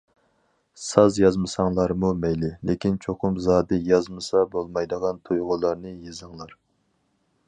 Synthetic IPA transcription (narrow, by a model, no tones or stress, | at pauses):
sɑzjɑzmɨsɑŋlˠɑɾmumɛjlɪlekʲint͡ʃʰoqʰʊmzɑːd̪ɨjɑzmɨsɑbolˠmɑjd̪əʁɑnt̪ʰujʁʊlˠɑɾnɨjezɨŋlˠɑɾ